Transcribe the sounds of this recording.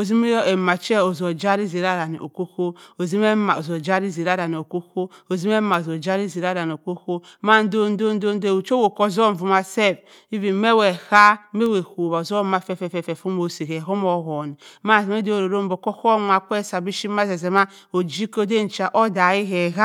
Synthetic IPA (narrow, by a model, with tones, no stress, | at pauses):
o˨zi˦m˦e˨ma˨t͡ʃe˦o˨zo˨d͡ʒa˦ɾi˦zi˨ɾa˦ɾa˨ni˨ʔo̰˨ko˦ko˦o˨zi˦me˦ma˨o˨zo˨d͡ʒa˦ɾi˦zi˨ɾa˦ɾa˨n˨o˨ko˦ko˦o˨zi˦me˦ma˨o˨zo˨d͡ʒa˦ɾi˦zi˨ɾa˦ɾa˨n˨o˨ko˦ko˦ma˦n˦do˦n˦do˦n˦do˦n˦de˦˨u˨t͡ʃo˦wo˨ko˦˨zo˦ɱ˨vu˨ma˨se˦˨f | i˦vi˨˦me˦we˨ha˦me˦we˨ho˨βa˨o˨zo˦ma˦fɛ˦fɛ˨fɛ˨fɛ˨fu˦mo˨si˨ke˨ɦo˦mo˨ɣo˨ni˨˦ma˦˨zme˦do˨ɾo˨ɾo˦m˦bo˨ko˦ko˦ma˨kʷe˦sa˨bi˦ʃi˦ma˦ze˨ze˨ma˦ | o˨d͡ʒi˦ko˦de˦n̩˨t͡ʃa˨ʔo˦da˨i˦ɦe˨ɦa˦